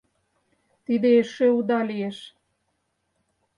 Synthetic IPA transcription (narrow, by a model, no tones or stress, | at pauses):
t̪id̪eeʃeud̪ɑlieʃ